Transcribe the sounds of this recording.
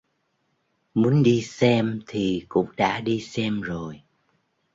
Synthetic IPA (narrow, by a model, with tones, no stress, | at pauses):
mu˨˦ənɗi˧sɛ˧mt̪ʰi˨˩kʊ̰˧˥ŋ͡mɗa̰ː˧˥ɗi˧sɛ˧mzo˨˩j